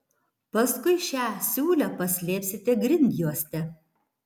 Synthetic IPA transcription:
pɐskʊɪʃʲæːsʲuːlʲɛpɐsʲlʲeːpʲsʲɪt̪ʲɛɡɾʲɪnʲd̪ʲjuɔsʲt̪ʲɛ

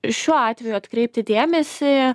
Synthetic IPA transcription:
ʃʲuɔɑːt̪ʲʋʲɛjuɐt̪kɾʲɛɪp̚t̪ʲɪd̪ʲeːmʲɛsʲɪ

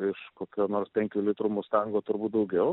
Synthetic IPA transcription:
ɪʃkoːkʲoːnoːrspʲɛŋʲkʲuːlʲɪt̪ɾuːmʊst̪ɐŋɡoːt̪ʊɾbuːt̪̚d̪ɐʊɡʲɛʊ

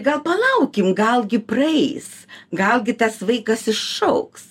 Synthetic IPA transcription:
ɡɐlˠpɐlˠɐʊkʲɪmɡɐlˠɡʲɪprɐɛɪsɡɐlˠɡʲɪt̪ɐsʋɐɪkɐsɪʃʃɐʊks

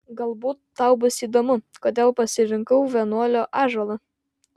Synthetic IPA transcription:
ɡɐlˠbuːt̪ːɐʊbʊsiːd̪oːmʊkoːd̪ʲeːlˠpɐsʲɪɾʲɪŋkɐʊʋʲɛnuɔlʲoːʔɑːʒoːlˠɐ

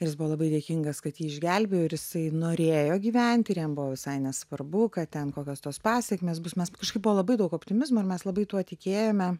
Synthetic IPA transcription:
ɪrʲjɪsbʊʋoɔlˠɐbɐɪd̪ʲeːkʲɪŋɡɐskɐt̪jiːɪʒʲɡʲælʲbʲejoːɪɾjɪsɐɪnoːɾʲeːjoːɡʲiːʋʲɛnʲt̪ʲɪɾjɛmbʊʋoːʋʲɪsɐɪnʲɛsʋɐrbʊkɐt̪ʲɛnkoːkʲoːst̪oːspɑːsʲɛkʲmʲeːsbʊsmʲɛskɐʃkɐɪp̚bʊʋoːlˠɐbɐɪd̪ɐʊkoːpʲt̪ʲɪmʲɪzmoːɪɾmʲɛslˠɐbɐɪt̪uɔt̪ʲɪkʲeːjoːmʲɛ

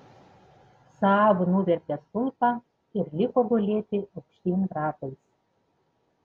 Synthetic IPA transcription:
sɑɑːʋʊnuʋʲɛɾʲt̪ʲɛst̪ʊlˠpɑː | ɪɾlʲɪkoːɡɔlʲeːt̪ʲɪɐʊkʃʲt̪ʲiːnd̪ɾɑːp̪ɐɪs

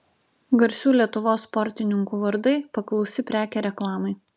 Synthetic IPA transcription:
ɡɐɾʲsʲuːlʲiɛt̪ʊʋoːspɔɾʲt̪ʲɪnʲɪŋkuːʋɐɾd̪ɐɪpɐklˠɒʊsʲɪpʲɾʲæːkʲɛɾʲɛklˠɑːmɐɪ

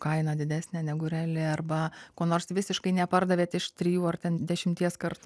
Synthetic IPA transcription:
kɐɪnɐd̪ʲɪd̪ʲæːsʲnʲɛːnʲɛɡʊɾʲɛlʲɪɐrbɐkoːnoːrsʋʲɪsʲɪʃkɐɪnʲɛpɐrd̪ɐʋʲeːt̪ʲɪʃt̪ʲɾʲɪjuːɐrt̪ʲɛnd̪ʲɛʃʲɪmʲt̪ʲiɛskɐrt̪ʊ

